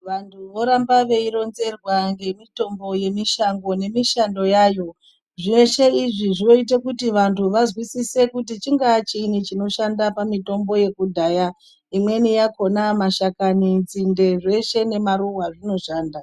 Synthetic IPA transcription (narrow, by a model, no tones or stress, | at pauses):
ʋantʰuʋo̞ɾambaʋe̞iɾo̞nze̞rwaŋɡe̞mito̞mbo̞je̞miʃaŋɡo̞ne̞miʃando̞jaːjo̞ | ʐeʃe̞iʐiʐino̞it̬ekutiʋantʰuʋazwisise̞kutit͡ʃiŋɡaːt͡ʃiːnit͡ʃino̞ʃandapamito̞mbo̞je̞kudʱaːja | imwe̞nijako̞namaʃakanind͡zinde̞ʐe̞ʃe̞ne̞maɾuwaʐino̞ʃaːnda